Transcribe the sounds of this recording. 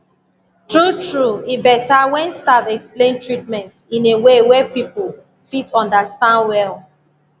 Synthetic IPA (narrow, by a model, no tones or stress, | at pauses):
tɹutɹuibɛtawɛ̃nstavɛksplẽntɹit̚mɛ̃ntĩnewewɛpipo | fitɔ̃ndastãndwɛl